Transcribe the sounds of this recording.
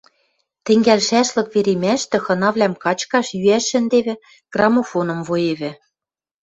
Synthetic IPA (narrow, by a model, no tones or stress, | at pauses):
t̪ɘ̆ŋɡælʃæʃlɤ̆kβeɾemæʃt̪ɘ̆xɤ̆nɑβlʲæmkɑt͡ɕkɑʃjyæʃːɘ̆nd̪eβɘ̆ | ɡ̥rɑmofonɤ̆mvojeβɘ̆